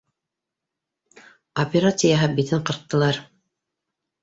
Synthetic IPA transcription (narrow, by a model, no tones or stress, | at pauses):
opʲeɾat̪sɨjɑɦɤbit̪ɘɴqɤ̆ɾq̚t̪ːɤ̆lˠɑɾ